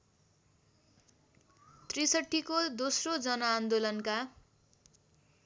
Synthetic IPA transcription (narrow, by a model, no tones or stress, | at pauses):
t̪risʌʈʰːikod̪osrod͡zʌnʌːnd̪olʌnka